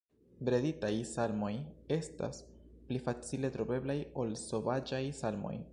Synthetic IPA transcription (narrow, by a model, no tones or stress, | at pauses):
bɾe̞ditajsalmo̞je̞sta̰splifat͡sile̞tɾo̞be̞blajo̞lso̞vad͡ʒajsalmo̞̰j